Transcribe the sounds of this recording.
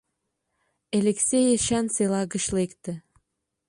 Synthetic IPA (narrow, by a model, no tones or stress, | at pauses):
elʲeksʲejeʃænselɑɣə̆ɕlekt̪ɘ̆